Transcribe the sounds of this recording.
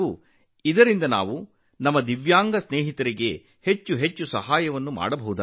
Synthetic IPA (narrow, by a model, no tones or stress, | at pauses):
u | id̪ɐɾind̪ɐna̰ːʋu | nɐmːɐd̪iʋjaːŋɡɐsneːɦit̪ɐɾiɡe̞ | het͡ʃːuɦet͡ʃːusɐɦaːjɐʋɐnːuma̰ːɽɐbɐɦud̪a